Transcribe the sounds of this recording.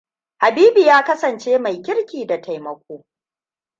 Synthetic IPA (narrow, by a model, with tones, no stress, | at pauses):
ha˨biː˦bi˨jaː˦kɐ˦sɐ˨nt͡ʃeː˦ma˨jkʲɪ˦ɽkʲiː˨da˨tʰa˨jmɐ˨kʷoː˦